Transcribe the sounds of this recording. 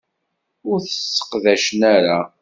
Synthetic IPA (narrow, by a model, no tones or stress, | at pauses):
ʊɾθə̥sːə̥qðæʃənæɾa